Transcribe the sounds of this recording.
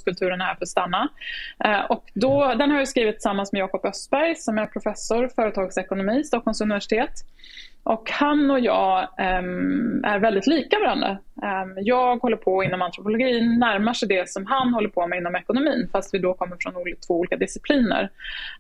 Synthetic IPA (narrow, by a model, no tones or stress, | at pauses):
kɵlt̪ʰʉ̟ːɾənhæːɾfɾɔst̪anːa | ʔɔkd̪ɔd̪ɛnhaɾjʏskɾiːvɪt̪ːɪ̥samːansmɛjɑːkɔpœst̪bæɾjsɔmæɾpʰɾʊfɛsʊɾfœːɾət̪ʰɑːɡsɛkʊnʊmiːst̪ɑːkʰːɔlmsɵnɪvæʂɪ̥t̪ʰeːt̪ʔɔkhanɔjɑ̰ː | æ̰ɾvɛld̪ɪt̪liːkavaɾand̪ɾa̰jɑːɡhɔlːəɾpʰɔɪn̪ːɔmant̪ʰɾʊpʊlʊɡiːnːæɾmaʂɛjd̪ɛsɔmɦanhɔlːəɾpʰɔmɛɪnːɔmɛkʊnʊmiːnfast̪vɪd̪ɔkʰɔmːəɾfɾɔnuːlt̪ʰvoːuːlikad̪ɪsɪpʰliːnə̰ɾ